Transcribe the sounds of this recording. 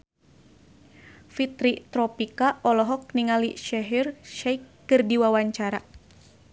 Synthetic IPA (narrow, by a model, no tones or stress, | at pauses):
fit̪ɾit̪ɾɔpikaʔɔlɔɦɔk̚niŋaliʃɛɦirʃɛjkːɨrdiwawaɲt͡ʃaɾa